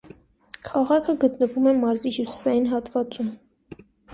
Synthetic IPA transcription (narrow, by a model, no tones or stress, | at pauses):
kʰɑʁɑkʰəɡət̪nəvumɛmɑɾzihjusi̥sɑjinɦɑt̪vɑt͡sum